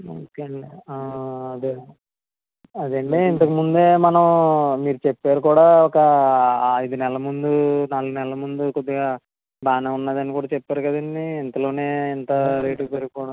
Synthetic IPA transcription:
oːkeɐɳɖi | ɐd̪e | ɐd̪ɐɳɖeint̪ɐkɐmund̪eːmɐnɐmmiːɾut͡ʃepːaːɾukuːɽaːɔkɐ | ɐjid̪unɛlɐmund̪unaːluɡunɛlɐmund̪ukod̪ːiɡaː | baːnɐunːaːd̪ɐnikuːɽaːt͡ʃɛpːaːɾukɐd̪ɐnːiːnt̪ɐlo̞ːne̞ːint̪ɐɾeːʈipeɾɡkɔːɽɐ

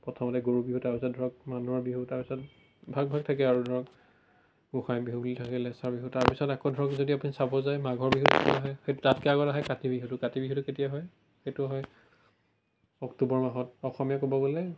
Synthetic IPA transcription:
pɹɔtʰɔmɔtɛɡoɹubiɦutaɹpisɔt̚dʱɔɹɔk̚manuɦɔɹbiɦutaɹpisɔt̚ | bʱaɡ̚bʱaɡ̚tʰakɛaɹudʱɔɹɔk | ɡuxajbiɦubulitʰakɛlɛsaɹbiɦutaɹpisɔtakodʱɔɹɔkzodiapunisabɔzajmaɡʱɔɹbiɦuzḛtuaɦɔjxejtutatkɛaɡɔtaɦɛkatibiɦutukatibiɦutʊketijaɦɔj | xejtuaɦɔj | ɔktubɔɹmaɦɔtɔxɔmijakobɔɡolɛ

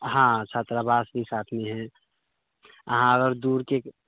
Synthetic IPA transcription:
ɦãt͡ʃʰaːt̪ɾabaːsbʱisaːt̪ʰmeɦɛ̃ | əɦãəɣəɾd̪uːɾke

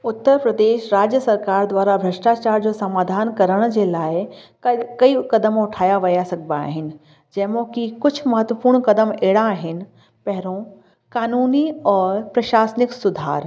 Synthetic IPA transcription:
ʊt̪ːəɾpɾəd̪eːʃɾaːd͡ʑjəsɐɾkaːɾd̪waːɾabɾɐʃʈaːt͡ɕaːɾd͡ʑoːsɐmaːd̪ʱaːnkɐɾəɽ̃d͡ʑeːlaːɪ | kɐikɐd̪əmʊʈʰaːjaʋɐjasɐɡʱbaːɦɪnɪ̆ | d͡ʑɐ̃ːɪmõkikʊd͡ʑʱʊmɐɦət̪ʋəpuːɾɽ̃kɐd̪əmeːɽaːɦɪnɪ̆ | pɐɦɪɾõ | kaːnuːniɔːɾpɾɐʃaːsnɪksʊd̪ʱa̰ːɾ

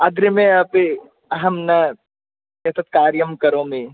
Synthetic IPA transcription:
ɐɡɾəmẽɐpe | ɐɦɐmnɐ | ʃɐt̪ɐt̪̚kaːɾjɐmkɐɾõmẽ

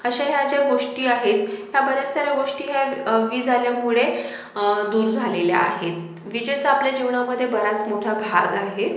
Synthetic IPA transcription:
əɕaɦjad͡ʑjaɡoʂʈiːaɦet̪ɦjabəɾasəɾaɡoʂʈiːɦjaʋiːd͡zʱaljamuɭe | d̪uːɾd͡zʱalelja̰ːɦet̪̚ | ʋid͡ʑət͡saapljad͡ʑiʋɳ̃aməd̪ʱːjebəɾat͡smoʈʰabʱaɡaɦet̪

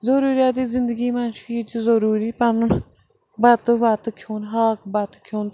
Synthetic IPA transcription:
zəɾuːɾjaːt̪iːzɪnd̪əɡiːmanʃit͡ʃzəɾuːɾiːpanʊn | bat̪bat̪kʰjoːnɦaːkbat̪kʰjoːn

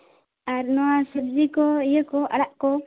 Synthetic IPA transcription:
aɾnɔwasəbd͡ʒikɔijəkɔʔa̰ɽaʔkɔ

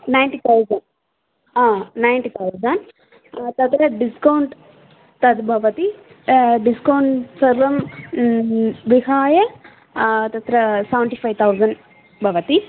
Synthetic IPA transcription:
najnʈit̪ʰɐwzɐn | aːnajnʈit̪ʰɐwzɐn | t̪ɐt̪ɾɐɖiskɐwɳʈ | t̪ɐt̪bʱɐʋɐt̪i | ɖiskɐwɳʈsɐɾʋɐm | ʋiɦaːjɐ | t̪ɐt̪ɾɐsɐʋɳʈipʰajt̪ʰɐwzɐɳɖ | bʱɐʋɐt̪i

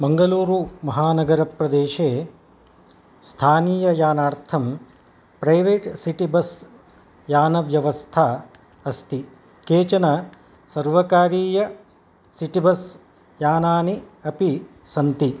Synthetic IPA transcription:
bɐŋɡɐluːɾumɐɦaːnɐɡɐɾɐpɾɐd̪eːʃeː | st̪ʰaːniːjɐjaːnaːɾt̪ʰɐm | pɾɐjʋeːʈsiʈibɐs | jaːnɐʋjɐʋɐst̪ʰaː | ɐst̪i | keːt͡ʃɐnɐ | sɐɾʋɐkaːɾiːjɐ | siʈibɐs | jaːnaːniɐpi | sɐnt̪i

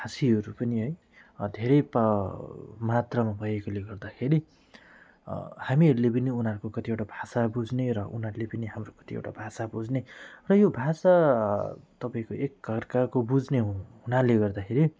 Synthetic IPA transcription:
asiɦʌɾupʌniɦʌj | d̪ʱeɾʌjp | mat̪rʌmabʱʌjekoleɡʌrd̪akʰeɾi | hamiɦʌɾulep̬ʌniunɦaɾukokʌt̪iewʈabʱasabud͡zneɾʌʔunɦaɾulepʌniɦamrokʌ̥t̪iḛwʈabʱasabud͡znerʌjobʱasa | t̪ʌpaĩkoʔek̚ɡʱʌrkakobud͡zneɦunaleɡʌrd̪akʰeɾi

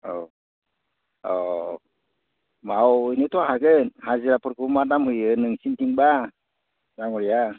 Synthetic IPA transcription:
ɔ | ɔ | mawinit̪ɔɦaɡɯnhaziɾapɯɾkumadamhujɯnɯŋsintiŋba | daŋuɾija

